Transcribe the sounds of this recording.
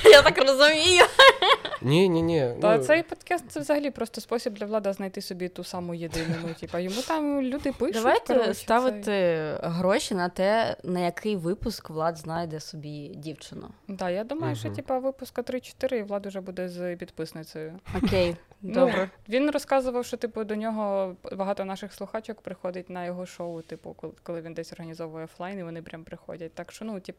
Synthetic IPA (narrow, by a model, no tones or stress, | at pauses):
jat̪ɑkrɔzʊmʲijʊ | nʲinʲinʲiɐt̪sɛjpɔd̪kɑst̪t̪sɛʋzɐɦɐlʲipɾɔst̪ɔspɔsʲibd̪lʲɐʋlˠɑd̪ɐznɐjt̪ɪsɔbʲit̪usɑmʊjed̪ɪnʊnʊtʲipɐjɔmut̪ɑmlʲud̪ɪpɪd̪ɐʋajt̪ɛst̪ɑʋɪt̪ɪɦɾɔʃʲinɐt̪ɛnɐjɐkʰɪjʋɪpʊskʋlˠɑd̪znɑjd̪ɛsɔbʲidʲiwt͡ʃɪnʊ̰d̪ɑjad̪umɐjʊʃt͡ʃɔtʲipɐʋɪpʊskɐt̪ɾɪt͡ʃɔ̥t̪ɪɾɪiʋlˠɑd̪ɐwʒɛbud̪ɛzpʲid̪pɪsnɪt͡s̪ʲɔjʊɔkʲejdnɔbɾɛʋʲinrɔskɑzʊʋɐwʃt͡ʃɔt̪ɪpʊd̪ɔnʲɔɦɔbɐɦɑt̪ɔnɑʃɪxslˠʊxat͡ʃɔkpɾɪxɔd̪ɪtʲnɐjɔɦɔʃɔʊt̪ɪpʊ̰kɔkkɔlˠɪʋʲind̪ɛsʲɔrɦɐnʲizɔʋɔjɛɔflˠɑjniʋɔnɪpɾʲʔampɾɪxɔ̰dʲɐt̚ʲt̪ɑkʃt͡ʃɔnutʲip